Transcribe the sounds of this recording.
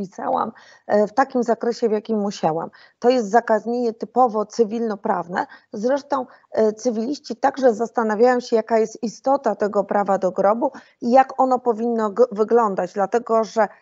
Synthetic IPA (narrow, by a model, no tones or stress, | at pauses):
pʲisa̰wa̰m | ft̪akʲimzakɾɛɕɛvjakʲimːuɕawa̰m | t̪ɔjɛst̪zakazɲʲeɲɛt̪ɘpɔvɔt̪sɘvʲilnɔpɾavnɛ̰zɾɛʂt̪ɔ̃w̃ | t̪sɘvʲilʲiɕt͡ɕit̪aɡʐɛzast̪anavʲjajɔ̃w̃ɕɛjakajɛst̪̚ist̪ɔt̪at̪ɛɡɔpɾʔavad̪ɔɡɾɔbu | ijakɔnɔpɔvʲinːɔvɘɡlɔnd̪ad͡ʑd̪lat̪ɛɡɔʐɛ